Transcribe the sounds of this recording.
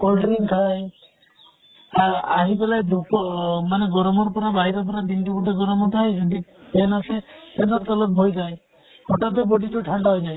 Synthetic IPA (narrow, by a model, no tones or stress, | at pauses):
kɔlɖɾiŋk̪ʰaj | aaɦibelajd̪ukɔmaneɡɔɾɔmɔɾpɔɾabaɦiɾɔpɔɾad̪inʈikuʈɔɡɔɾɔmɔt̪ʰaed͡ʒɔʈipenasesenɔɾt̪ɔlɔb̚bʱojd͡ʒae | hɔʈat̪ebɔɖiʈuʈʰaɳɖaɦojd͡ʒaj